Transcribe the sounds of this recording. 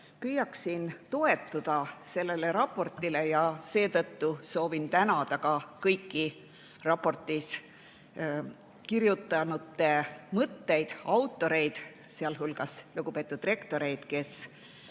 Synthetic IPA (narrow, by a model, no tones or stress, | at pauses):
pyjːɑksint̪o̞e̞t̪ːˑud̪̥ɑse̞lːe̞le̞ɾɑpːˑo̞rt̪ːˑile̞jɑse̞ːt̪ɤt̪ːuso̞ːvint̪ænɑd̪̥ɑkɑkɤjkːi | rɑpːˑo̞rt̪ˑis | kiɾjut̪ˑːɑnut̪ːˑe̞mɤt̪ːe̞jd̪̥ɑwt̪ːˑo̞ɾe̞jd̪̥ | seɑlɦulɡ̥ɑsluɡ̥upe̞ːt̪ːˑud̪̥re̞kt̪o̞ɾe̞jd̪̥ke̞s